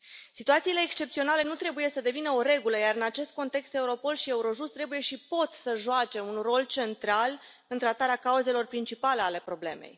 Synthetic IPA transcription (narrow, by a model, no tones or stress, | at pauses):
sit̪uat̪siːle̞ːkst͡ʃe̞pt̪sio̞nale̞nut̪ɾe̞buje̞səd̪e̞vinəo̞ɾe̞ɡuləjaɾɨnat͡ʃe̞st̪̚ko̞nt̪e̞kst̪e̞uɾo̞po̞lʃie̞uɾo̞ʒust̪ːɾe̞buje̞ʃipo̞t̪səʒuat͡ʃe̞unro̞lt͡ʃe̞nt̪ɾal | ɨnt̪ɾat̪aɾeakauze̞lo̞rpɾint͡ʃipaleale̞pɾo̞ble̞̰me̞̰j